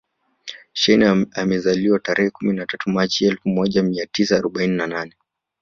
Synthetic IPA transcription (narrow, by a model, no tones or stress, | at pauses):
ʃɛnamɛzaliwataɾʔɛhɛkuminatatʰumat͡ʃiɛlfumɔʄamiatisaːɾɔɓaininananɛ